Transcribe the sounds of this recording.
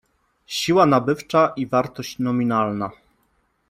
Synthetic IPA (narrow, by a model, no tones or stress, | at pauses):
ɕiwanabɘft͡ʂaʔivaɾt̪ɔɕt͡ɕnɔmʲinalna